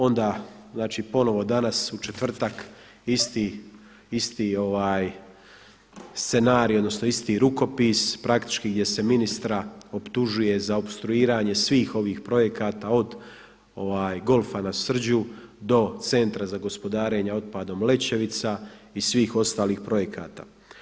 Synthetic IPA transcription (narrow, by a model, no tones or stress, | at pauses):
o̞nd̪aː | znaːt͡ʃiːpo̞no̞ʋo̞d̪anasut͡ʃe̞t̪ʋr̩t̪ak | ist̪i | ist̪iːo̞ʋaːj | st̪se̞naːɾio̞d̪no̞sno̞ist̪iɾuko̞piːspɾakt̪i̥t͡ʃkiɡd̪ʲje̞se̞minist̪ɾaopt̪uʒuje̞zaobst̪ɾuiːɾaːɲe̞sʋiːxo̞ʋiːxpɾo̞je̞kaːt̪aːo̞d̪ | o̞ʋaːjɡo̞lfanasr̩d͡ʑud̪o̞t̪se̞nt̪ɾazaɡo̞spo̞d̪aːɾe̞ɲao̞t̪̚paːd̪o̞mle̞t͡ɕe̞ʋit̪saisʋiːxo̞st̪aːliːxpɾo̞je̞kʰaːt̪a̰ː